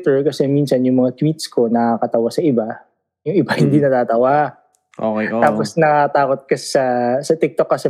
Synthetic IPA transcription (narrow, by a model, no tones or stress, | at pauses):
t̪ɛɹkɐsɛminsɐnjʊŋmɐŋat̪wit̪sko̞nɐakɐt̪ɐwasɐʔɪba | jʊŋɪbahɪnd̪inɐt̪aːt̪ɐwa | ʔokɛt̪aːposnɐkɐɐt̪aːkot̪̚kɐsɛsɐsɐt̪ɪk̚t̪okːɐsɛ